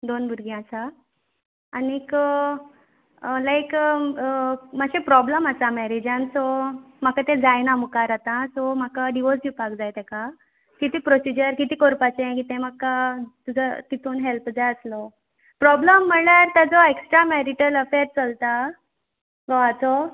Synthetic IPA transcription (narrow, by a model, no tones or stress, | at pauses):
d̪onbʱuɾɡjãt͡saː | nik | lajk | maɕẽpɾɔbləmasamɛɾed͡ʑãnsɔ | m̤akat̪ẽd͡zajnamukaɾat̪ãsɔm̤akaɖiʋɔsd͡ʑupakd͡zajt̪ɛka | kit̪iːpɾɔsid͡ʑəɾkit̪iːkoɾpat͡ɕẽkit̪ɛ̃makat̪ud͡zʱət̪it̪uːnɦelpd͡zajəslɔ | pɾɔbləmːəɳɭaɾt̪jad͡zɔeksʈɾamɛɾiʈələfeɾt͡səlt̪a | ɡɔat͡sɔ